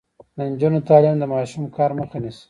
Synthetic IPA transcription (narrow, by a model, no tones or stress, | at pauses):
d̪ənd͡ʒunot̪ɑːlimd̪əmɑʃumkɑːɾmuxanis